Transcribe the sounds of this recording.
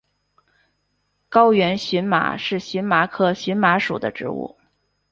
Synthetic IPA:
kɑ˥ʊjɥɛ˧˥nɕi˧˥nma̰˨˩ʂɻ̩˥˩ɕy˧˥nma˧˥kʰɤ˥ɕi˧˥nma˧˥ʂṵ˨˩d̪ə˦ʈ͡ʂɻ̩˧˥ṵ˥˩

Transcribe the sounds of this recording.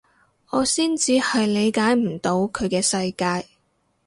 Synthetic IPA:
ŋɔː˨˧siː˥nt͡siː˨˧hɐ˨jle˨˧jkaː˨˥jm̩˨˩t̪o˨˧˥wkʰɵ˨˧ɥkɛː˧sɐ˧jkaː˧j

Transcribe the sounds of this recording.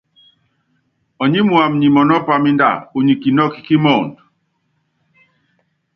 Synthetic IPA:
ɔ˨ɲi˦mu˨a˨m̩˨ɲi˨mɔ˨nɔ˦pa˨mi˦nda̰˦˨u˨ɲi˨ki˨nɔ˦ki̥˦ki˦mɔː˦˨nd

